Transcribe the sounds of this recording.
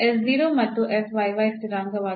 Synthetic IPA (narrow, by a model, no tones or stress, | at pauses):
esziːɾoːmɐt̪ːuʔesʋɐjʋɐjsiɾaːŋɡɐʋaː